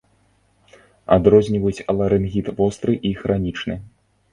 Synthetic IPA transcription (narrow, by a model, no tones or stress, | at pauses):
a̰d̪ɾɔzʲnʲivɐjut͡sʲɐlˠɐɾɨnɣʲit̪vɔst̪ɾɨʔixɾanʲit͡ʂnɨ